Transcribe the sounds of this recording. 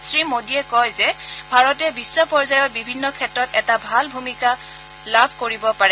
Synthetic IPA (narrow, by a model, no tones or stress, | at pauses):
sɹimodiɛkɔjzɛbʱaɹɔtɛbisːɔpɔɹzajɔt̚bibʱinːɔkʰɛtɹɔtɛtabʱalbʱumika | labʱkoɹibɔpaɹɛ